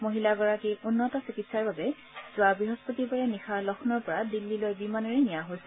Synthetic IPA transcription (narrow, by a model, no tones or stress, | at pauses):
moɦilaɡɔɹakiunːɔtɔsikitsaɹbabɛ | z̥ʊabɹiɦɔspotibaɹɛnixʰalɔxʰnɔɹpɔɹadilːilojbimanɔɹɛnijaɦojsɛ̥